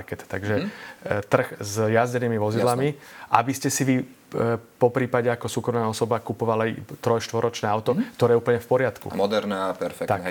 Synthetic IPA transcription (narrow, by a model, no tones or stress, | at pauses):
kɛt̪t̪aɡʒɛt̪r̩xzjazɟɛniːmiʋɔzid̪lamiʔa̰biscɛsiʋi | pɔpɾiːpaɟɛakɔsuːkɾɔmnaːɔsɔbakupɔʋalat̪ɾɔjʃt̪ʋɔɾɔt͡ʃnɛːaʊt̪ɔk̚t̪ɔɾɛːjɛuːpl̩ɲɛfpɔɾɪat̪kṵmɔd̪ɛɾnapɛɾfɛkt̪ak